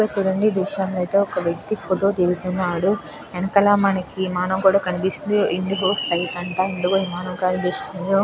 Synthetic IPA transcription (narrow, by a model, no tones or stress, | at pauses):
aːt͡ʃuːɽɐɳɖid̪uʃaːmlɐjt̪eːɔkɐʋjɐk̚t̪ipʰoʈoːt̪iɾut̪unːaːɽu | ɛnɐkɐlaːmɐnɐkimaːnɐmkuːɽaːkɐnipisind̪iind̪uɦoːʈɐjpɐɳʈaːind̪ukoiːmaːnɐmkɐnipist̪ind̪i